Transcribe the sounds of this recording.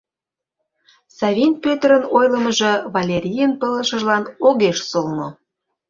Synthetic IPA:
sɑvʲinʲpʲøt̪ɾənojlə̆mə̆ʒɤ̆vɑlʲeɾʲijənpələ̆ʃə̆ʒlɑnoɣeʃsolno

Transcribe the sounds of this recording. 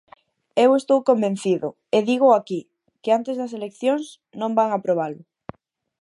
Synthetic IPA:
ewest̪owkombẽn̟θiðʊ | eðiɣ̞oaki | keant̪ezðɐs̬elekθjoŋs | nõmbaŋapɾoβ̞alʊ

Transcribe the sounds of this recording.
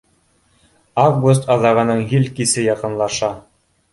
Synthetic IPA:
avɡus̬t̪ɑðɑʁɤ̆nɤɴɦilʲkisɘjɑqɤ̆nlˠɑʃɑ

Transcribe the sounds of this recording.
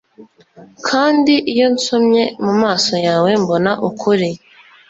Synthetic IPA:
kʰaːndiʔijo̞nsomɲe̞mumaːso̞jaːwe̞mbo̞naʔukʰuɾi

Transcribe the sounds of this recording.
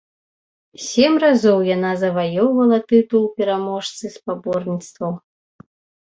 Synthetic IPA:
sʲɛmrazɔwjanazɐvajɔwvɐlˠɐt̪ɨt̪ulˠpʲɛɾamɔʂt̪sɨspabɔrnʲit̪st̪vɐw

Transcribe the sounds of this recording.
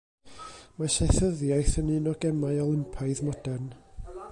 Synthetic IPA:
masɛθəðjajθənɨnɔɡɛmaɨɔlˠɪmpʰaɨðmɔd̥ɛrn

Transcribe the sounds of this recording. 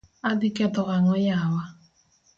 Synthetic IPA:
adikɛt̪ɔɣaŋɔjawa

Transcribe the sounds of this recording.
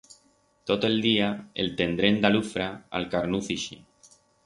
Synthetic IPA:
t̪ot̪oeld̪iaḛlt̪ẽ̞nd̪ɾend̪alufɾaa̰lkaɾnuθiʃḭ

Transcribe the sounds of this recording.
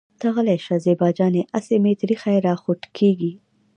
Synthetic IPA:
t̪aɣəlaʃazebɑd͡ʒɑneʔasemet̪ɾixajeɾɑxʊʈkʰeɡi

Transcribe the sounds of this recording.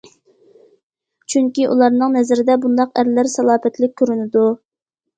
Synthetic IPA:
t͡ʃʰyŋkʲiʔṵlˠɑɾnɨŋnɛzɪɾɪd̪ɛbund̪ɑqæɾlæɾsɑlˠɑːpɛt̪lɪk̚ʲʰːøɾynɪd̪u

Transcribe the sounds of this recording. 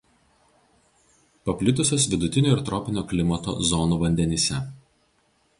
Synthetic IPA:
pɐpʲlʲɪt̪ʊsʲoːsʋʲɪd̪ʊt̪ʲɪnʲuːɪɾt̪ɾɔːpʲɪnʲoːklʲɪmɐt̪o̰ːzɔnuːʋɐnʲd̪ʲɛnʲiːsʲɛ

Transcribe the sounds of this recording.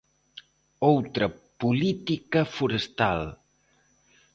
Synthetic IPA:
owt̪ɾəpulit̪ikəfuɾəst̪a̰l

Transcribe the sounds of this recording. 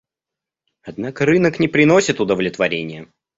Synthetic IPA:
ɐd̪nakəɾɨnəknʲɪpɾʲɪno̞sʲɪt̪ʊd̪əvlʲɪt̪vɐɾʲenʲɪjə

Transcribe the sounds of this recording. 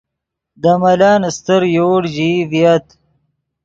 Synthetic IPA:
d̪amɐlaːnst̪əɾjoːɽʑivijɐt̪

